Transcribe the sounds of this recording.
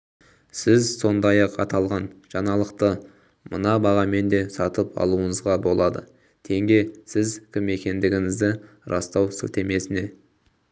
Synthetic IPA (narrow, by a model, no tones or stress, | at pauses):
sɪzso̞nd̪ɑjɑqɑ̰t̪ɑlˠʁɑnʒ̥ɑɴɑlˠəqt̪ə | mənɑbɑʁɑme̞nd̪e̞sɑt̪əpɑ̰lˠuəɴəzʁɑbo̞lˠɑd̪ə̰ | t̪ʰe̞ŋɡʲe̞sɪzkʲʰɪme̞kʲe̞nd̪ɪɡʲɪŋɪzd̪ɪ | ɾɑ̰st̪ɑwsɵ̰t̪e̞me̞sɪne̞